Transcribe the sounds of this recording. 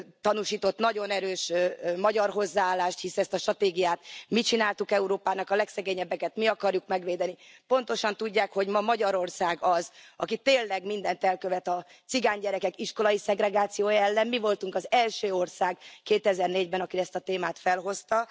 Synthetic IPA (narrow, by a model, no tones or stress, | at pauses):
t̪ɒnuʃiːt̪o̞t̪nɒɟo̞nɛɾøːʃmɒɟɒrɦo̞zːaːaːlːaːʃt̪hisɛst̪ɒʃt̪rɒt̪eːɡijaːt̪mit͡ʃinaːlt̪ukɛuɾoːpaːnɒkɒlɛksɛɡeːɲɛbːɛkɛt̪miɒkɒrjukmɛɡʋeːd̪ɛnipo̞n̪t̪o̞ʃɒnt̪uɟːaːkho̞ɟmɒmɒɟɒɾo̞rsaːɡɒzɒ̰kit̪eːnlːɛɡmind̪ɛnt̪ɛlkøvɛt̪ɒ | t̪siɡaːɲɟɛɾɛkɛkiʃko̞lɒjisɛɡrɛɡaːt̪sijoːjɒɛlːɛmmivo̞lt̪uŋkɒzɛlʃøːo̞rsaːɡkeːt̪ɛzɛrneːɟbɛnɒkiɛst̪ɒt̪eːmaːt̪fɛlɦo̞st̪ɒ